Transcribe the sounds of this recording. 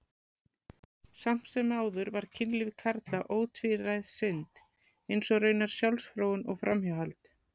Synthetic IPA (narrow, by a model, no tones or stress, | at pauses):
sam̥t̪sɛmaːwðʏɾvaɾ̥cʰɪnlɪvɪkʰaɾt̪laʔoːwt̪ʰvɪrajðsɪnt̪ | ejnsɔɣrœːɥnaɾ̥sjawlsfɾoːwʏnɔɣfɾʔa̰mhawɦalt̪